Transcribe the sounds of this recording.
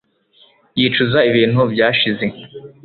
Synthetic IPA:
jiːt͡ʃuzaiβiːnhubɟaːʃize̞

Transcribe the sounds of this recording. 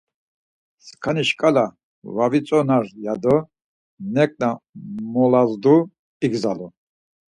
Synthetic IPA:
skʰaniʃkʼala | vavit͡sʼɔnaɾjad̪ɔ | nɛkʼnamɔlazd̪u | iɡzalɔ

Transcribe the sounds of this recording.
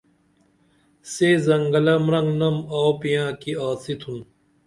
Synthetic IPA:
sezɐŋɡɐlɐmɾɐŋɡnɐmawpijãːkiaːsit̪ʰun

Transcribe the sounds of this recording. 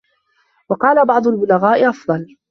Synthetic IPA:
wɑqɑːlabɑʕd̪ˤʊlbʊlaɣaːʔɪʔɑfd̪ˤɑl

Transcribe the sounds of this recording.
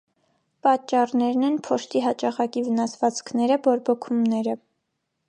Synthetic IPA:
pɑt͡ʃːɑrnɛɾnɛnpʰɔʃt̪iɦɑt͡ʃɑʁɑkivənɑsvɑt͡skʰnɛɾəbɔɾbɔkʰumnɛɾə

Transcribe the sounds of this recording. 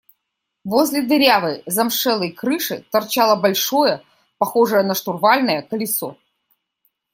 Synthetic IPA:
vozʲlʲɪd̪ɾʲavɨjzɐmʂɛlˠəjkɾɨʂɨt̪ɐrt͡ɕalˠəbɐlʲʂojə | pɐxoʐɨjənɐʂt̪ʊrvalʲnəjəkəlʲɪso

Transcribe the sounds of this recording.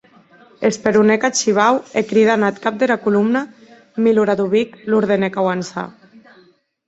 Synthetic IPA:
espeɾunekat͡ʃiβ̞awekɾiðanat̪kap̚d̪eɾakulumna | miluɾaðuβikluɾðenekawansa̰

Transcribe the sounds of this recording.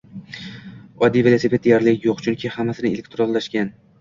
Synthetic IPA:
ɒd̪ːijvelˠose̞pʰe̞t̪d̪ejaɾlɪkʲjoqt͡ʃʰʊŋkʲʰihamːasɪnɪelekʲt̪ɾonːaʃkʲan

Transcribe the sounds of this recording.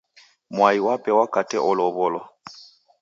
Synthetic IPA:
mwaiwapʼɛwakʼatʰʼɛʔʊlɔβʊlɔ

